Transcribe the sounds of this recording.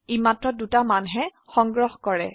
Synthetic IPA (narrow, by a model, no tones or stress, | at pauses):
imatɹɔdutamanɦɛ | xɔŋɡɹɔhkɔɹɛ